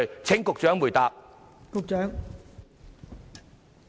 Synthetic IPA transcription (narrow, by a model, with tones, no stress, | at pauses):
ɥt͡ɕʰɪ˨˥ŋkʊ˨k̚t͡ʃœː˨˥ŋmuː˨˩jt̪aː˨p̚ | kʊ˨k̚t͡ʃœː˨˥ŋ